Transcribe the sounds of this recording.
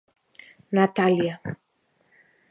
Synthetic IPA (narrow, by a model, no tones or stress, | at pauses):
nat̪alija